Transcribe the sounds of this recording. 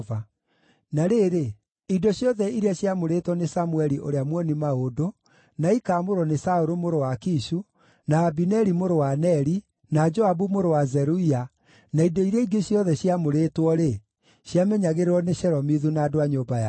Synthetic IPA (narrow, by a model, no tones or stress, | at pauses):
va | naɾeɾe | idɔɕjɔðɛiɾeɛɕjamoɾetwɔnesamuɛɾiʔoɾeamwɔnimaodo | naikaːmoɾɔnesaoɾomoɾowakiʃu | naːbinɛɾimoɾowanɛɾi | nad͡ʒɔabumoɾowazɛɾuia | naidɔiɾɛiɡeɕjɔðɛɕjamoɾetwɔɾe | ɕjamɛɲaɣeɾeɾɔneɕɛɾɔmiðunaːdoaɲoːbaa